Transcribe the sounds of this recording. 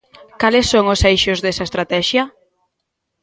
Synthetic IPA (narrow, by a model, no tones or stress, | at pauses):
kalɪsːoŋʊsejʃʊzðesɐest̪ɾat̪ɛʃjɐ